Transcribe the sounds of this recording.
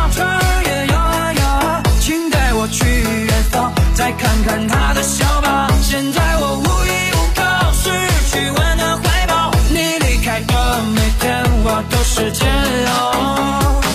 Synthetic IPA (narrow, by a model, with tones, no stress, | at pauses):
ʈ͡ʂʰə˥jɛ˨˩jɑ˧ | jɑ˨˧˩ | t͡ɕʰi˥ŋt̪a˥˩ɪwɔ˨˩t͡ɕʰy˥˧˩ɥɛ˧˩nfɑ˥ŋt͡sa˥˧ɪkʰa˥˧˩nkʰa˧˩nt̪ʰa˥d̪ə˨ɕjɑ˧˥ʊpɑ˨˩˦ɕjɛ˥˧nt͡sa˥˩ɪwɔ˨˩u˥˩i˧u˨˥˩kʰə˥˧ʂɻ̩˥t͡ɕʰy˨˩wə˧˥nd̪ə˧xwe˥ɪpɑ˨˩˦ʊni˧˩li˧˩kʰa˧˥ɪtə˥ | me˨˩ɪk̪ʰɛ˥nwɔ˨˩t̪o˧˥ʊʂɻ̩˧ʈ͡ʂ̩˥ | o˨˧˩